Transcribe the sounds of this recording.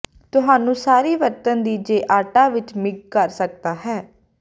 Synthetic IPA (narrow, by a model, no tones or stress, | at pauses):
t̪ʊɦaːnũːsaːɾiːʋəɾt̪ənd̪iːd͡ʒeːʔaːʈaːʋɪt͡ʃmɪɡ̚kəɾsək̚d̪aːɦɛː